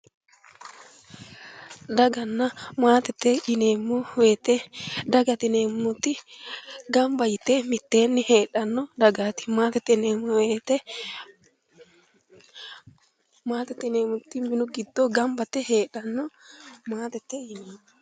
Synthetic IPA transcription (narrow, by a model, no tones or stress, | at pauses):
d̪ɐɡɐnːɐmaːt̪ɛt̪ːɛɪneːmːʊweːt̪ɛd̪ɐɡɐt̪ɛneːmːʊt̪ːɪ | ɡɐmbɐjɪt̪ːemɪt̪ːeːnːɪheːᶑɐnːɔd̪ɐɡat̪ɪ̥maːt̪ɛt̪ːɛneːmweːt̪ɛ | maːt̪ɛt̪ːɛneːmʊt̪ːɪmbɪnʊɡɪd̪ːoɡɐmbɐt̪ːɛheːᶑɐnːɔmaːt̪ɛt̪ːɛjɪneːmːʊ